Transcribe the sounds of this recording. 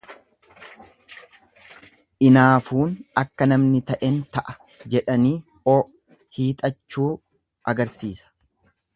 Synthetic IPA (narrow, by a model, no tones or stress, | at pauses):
ʔɪnaːfuːnɐkːɐnɐmnɪt̪ɐʔɛnt̪ɐʔɐ̥ | d͡ʒɛᶑɐniː | oː | hiːt̪ʼɐt͡ʃːuː | ʔɐɡɐɾsiːsɐ̥